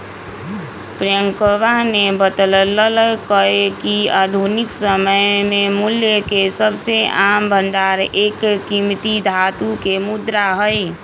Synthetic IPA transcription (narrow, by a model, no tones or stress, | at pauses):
pɾjəŋkəʋanebət̪lələlkəekiad̪ʱunɪksəməjmẽmuljəkesəbseambənd̪aɾeːkːimt̪id̪ʱat̪ukemud̪ɾaɦəj